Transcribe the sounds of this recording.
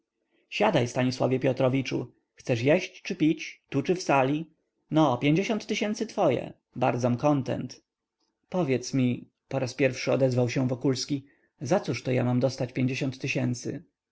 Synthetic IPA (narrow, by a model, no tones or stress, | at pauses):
ɕad̪ajst̪aɲiswa̰vʲjɛpʲjɔt̪ɾɔvʲit͡ʂṵ | xt̪sɛʂjeɕt͡ɕt͡ʂɘpʲit͡ɕt̪ut͡ʂɘfsalʲi | nɔpʲeɲd͡ʑeɕɔnt̪ːɘɕɛnt̪sɘt̪fɔjɛ̰ | baɾd̪zɔmkɔnt̪ɛ̰nt̪ | pɔvʲjɛt̪smʲi | pɔɾaspʲjɛɾfʂɘɔd̪ɛzvawɕɛ̃vɔkulskʲi | zat̪suʂt̪ɔja̰mamd̪ɔst̪at͡ɕpʲjeɲd͡ʑeɕɔnt̪ːɘɕɛnt̪sɘ̰